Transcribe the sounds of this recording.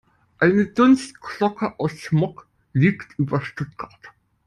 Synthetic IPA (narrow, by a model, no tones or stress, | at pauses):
ʔaɪnədʊnstkʰlɔkʰəʔaʊsʃmɔk | liːktʰʔyːbɐʃtʊt̚ɡ̥aɐt